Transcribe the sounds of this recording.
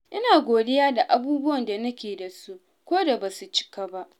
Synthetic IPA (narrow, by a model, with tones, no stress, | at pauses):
ʔɪ˦naː˨ɡʷoː˨dɪ˦jaː˦da˨ʔa˨buː˦bʊ˦wɐ˨nda˨nɐ˦kʲeː˨da˨su˦ʔ | kʷoː˦da˨baː˨su˨t͡ʃɪ̥˦ka˦ba˦ʔ